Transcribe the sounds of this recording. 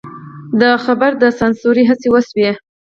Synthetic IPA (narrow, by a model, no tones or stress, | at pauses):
d̪əxabaɾd̪əsansoɾiɦasewəswe